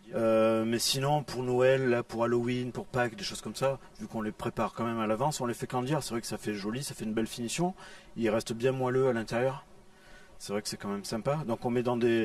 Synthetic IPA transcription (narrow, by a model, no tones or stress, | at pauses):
ømɛsinɔ̃puʁnɔɛlːapuʁalowinpuʁpakd̪eʃoz̥kɔmsavykɔ̃lepχepaʁkɑ̃mɛmalavɑ̃sɔ̃lefɛkɑ̃d̪jɛʁsɛvʁɛkə̥safɛʒɔlisafɛynbɛlfinisjɔ̃ | ilʁɛst̪əbjɛ̃mwaløalɛ̃t̪eʁjœʁ | sɛvʁɛkə̥sɛkɑ̃mɛmsɛ̃pad̪ɔ̃kɔ̃mɛd̪ɑ̃d̪e